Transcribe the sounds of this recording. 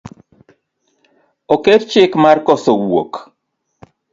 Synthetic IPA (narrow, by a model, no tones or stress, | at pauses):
ɔkeɾt͡ʃɪkmarkɔsɔwwo̰k